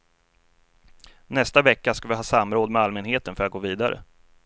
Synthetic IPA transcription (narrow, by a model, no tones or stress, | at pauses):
nɛst̪avɛkːaskavɪɦɑːsamɾoːd̪mɛalmɛnɦeːt̪ənfœɾat̪ɡoːviːd̪aɾə̰